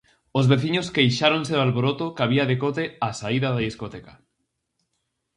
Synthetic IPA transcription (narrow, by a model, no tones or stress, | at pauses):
ozβeθiɲoskejʃaɾonseðoalβoɾot̪okaβiaðekot̪easaiðaðaðiskot̪eka